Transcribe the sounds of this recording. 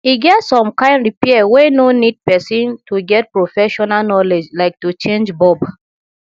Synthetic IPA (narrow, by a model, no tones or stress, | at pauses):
iɡɛtsɔ̃mkãɪ̃ndɹipiɛwenonid̚pɛsĩntuɡɛt̚pɹofɛʃɔnalnɔled͡ʒlaɪk̚tut͡ʃẽnd͡ʒbɔb